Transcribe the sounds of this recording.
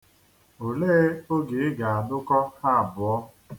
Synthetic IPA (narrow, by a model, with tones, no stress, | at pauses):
o˨leː˦o˦ɡe˨ɪ˦ɡa˨a˨dʊ˦kɔ˦ha˦a˨bʊ˨ɔ˦